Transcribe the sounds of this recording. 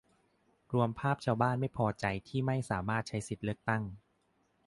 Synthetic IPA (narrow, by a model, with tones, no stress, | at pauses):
ɾu˧əmpʰaː˥˩p̚t͡ɕʰaː˥˩wbaː˥˩nma˥˩jpʰɔː˧t͡ɕa˧jt̪ʰiː˥˩ma˥˩jsaː˩˦maː˥˩t̪̚t͡ɕʰa˦˥jsi˨˩t̪̚lɯ˥˩ək̚t̪a˥˩ŋ